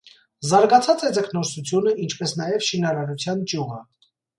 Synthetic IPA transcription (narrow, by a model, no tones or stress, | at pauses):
zɑɾɡɑt͡sʰɑt͡sɛt͡səkʰnɔɾsut͡sʰjunəʔint͡ʃʰpɛsnɑjɛvʃinɑɾɑɾut͡sʰjɑnt͡ʃjuʁə